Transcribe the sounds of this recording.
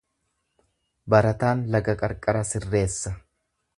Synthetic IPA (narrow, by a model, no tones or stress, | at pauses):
bɐɾɐt̪aːnlɐɡɐkʼɐɾkʼɐɾɐsɪrːe̞ːsːɐ